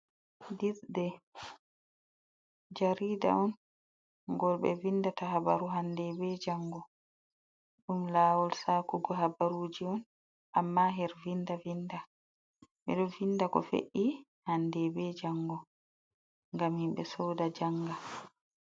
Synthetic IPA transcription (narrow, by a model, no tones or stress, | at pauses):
diθdɛ | d͡ʒaɾiːda̰ɔn | ɡɔlɓɛ̰vindataɦabaɾuɦandɛbɛd͡ʒaŋɡɔ | ɗumlaːwɔlsaːkuɡɔɦabaɾuːd͡ʒiɔn | ʔamːaɦɛɾvindavinda | ɓɛ̰ɗɔvindakɔ̰fḛʔi | handɛbɛd͡ʒaŋɡɔ | ŋɡamhimɓɛsɔːdad͡ʒaŋɡa